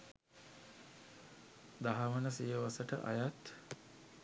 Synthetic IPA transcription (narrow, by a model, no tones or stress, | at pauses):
d̪aɦaʋənəsijəʋasəʈəʔa̰jat̪